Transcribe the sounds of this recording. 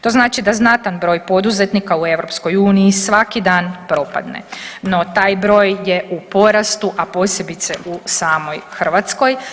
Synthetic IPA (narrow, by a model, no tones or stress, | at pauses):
t̪o̞ːznaːt͡ʃid̪aznat̪anbɾo̞ːjpo̞d̪uzet̪nikaue̞ʋɾo̞psko̞juːnijisʋakid̪aːnpɾo̞pa̰d̪nḛno̞t̪aːjbɾo̞ːjje̞ʔupo̞ɾast̪uʔapo̞sje̞bit̪se̞ʔusaːmo̞jxr̩ʋat̪sko̞j